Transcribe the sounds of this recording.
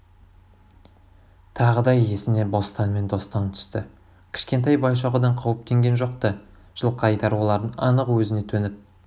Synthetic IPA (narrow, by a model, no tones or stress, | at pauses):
t̪ʰɑʁəd̪ɑe̞sɪne̞bo̞st̪ɑnme̞nd̪o̞st̪ɑnt̪ʰʏ̥st̪ɪ̰ | kʲʰɪ̥ʃkʲe̞nt̪ɑjbɑjʃɑʁəd̪ɑɴqʰɑwp̚t̪e̞ŋɡʲe̞nʒoq̚t̪ə | ʒ̥əlˠqʰɑjt̪ɑɾwo̞lˠɑɾd̪ənɑnəqwɵzɪne̞t̪ʰɵnɪp̚